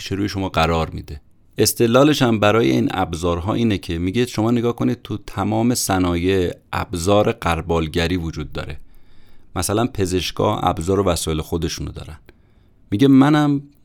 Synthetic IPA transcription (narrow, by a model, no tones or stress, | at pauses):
ʃʰeɾuːjeʃo̞mɒːɢæɾɒːɾmḭːd̪e̞ | e̞st̪e̞lːɒːleʃæmbæɾɒːje̞̰ḭːnæ̰bzɒːɾɦɒ̰ːʔiːnecʰemiɟed̪ʃo̞mɒːneɡɒːhkʰo̞niːd̪̥̚t̪ʰut̪ʰæmɒːme̞sænɒːje̞ʔæ̰bzɒːɾeɢæɾbɒːlɟæɾiːvod͡ʒuːd̪̚ːɒ̰ːɾe̞ | mæsælænpʰe̞ze̞ʃɡɒ̰ːhæ̰bzɒːɾovæsɒːe̞lexod̪e̞ʃunod̪ɒ̰ːɾæn | miɟemænæm